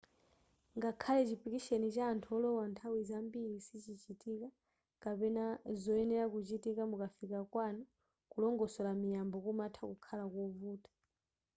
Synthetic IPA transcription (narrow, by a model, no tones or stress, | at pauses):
ŋɡakʰalɛt͡ʃipikiʃɛnit͡ʃaːntʰuɔlɔwantʰawizambiɾisit͡ʃit͡ʃitika | kapɛnazɔɛnɛɾakut͡ʃitikamukafikakwanɔ | kulɔŋɡɔsɔlamijambɔkumatʰakukʰalakɔvuːtḁ